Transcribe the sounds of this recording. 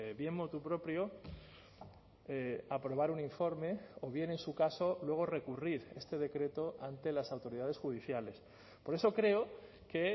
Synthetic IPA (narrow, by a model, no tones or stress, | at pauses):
βje̞mmot̪upɾo̞pɾjo | eapɾo̞β̞aɾuniɱfo̞ɾme̞oβ̞je̞ne̞nsukaso̞lwe̞ɣ̞o̞re̞kuriɾe̞st̪e̞ð̞e̞kɾe̞t̪o̞ʔant̪e̞lasawt̪o̞ɾiðað̞e̞sxuð̞iθjale̞s | po̞ɾe̞so̞kɾe̞o | ke